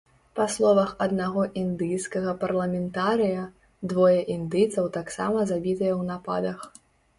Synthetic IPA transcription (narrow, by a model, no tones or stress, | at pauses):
paslˠɔvɐxɐd̪naɣɔʔind̪ɨjskɐɣɐpɐrlˠɐmʲɛnt̪aɾɨjɐ | d̪vɔjɛʔind̪ɨjt̪sɐwt̪aksa̰mɐzabʲit̪ɐjɛwnapa̰d̪ɐx